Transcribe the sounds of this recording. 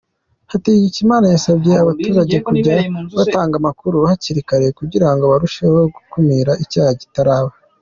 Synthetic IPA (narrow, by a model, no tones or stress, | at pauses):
hatiɡicimaːnajasabjeaβatuːɾaɟe̞kuɟaβataːŋɡamakuɾuhaciɾikaɾekuɟiɾaŋɡo̞βaɾuʃe̞ho̞ɡukumiɾaʔicaːhaɟitaɾaːβa